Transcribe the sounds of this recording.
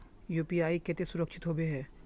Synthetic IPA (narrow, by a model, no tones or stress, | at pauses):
juːpiaːikɛt̪esʊɾəkʃʰɪt̪ɦoːbeɦɛː